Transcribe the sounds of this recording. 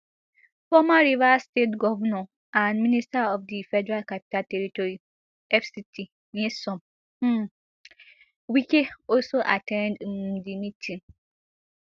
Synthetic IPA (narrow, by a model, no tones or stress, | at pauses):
fɔmaɹivastetɡɔvanɔ̃ | ʔãnmĩnistaɔfdifɛdɛɹalkapi̥taltɛɹitɔɹi | ɛfsitʰi | nesɔ̃m̩ | wikeɔlsoʔatʰɛ̃ndmdimĩtʰĩn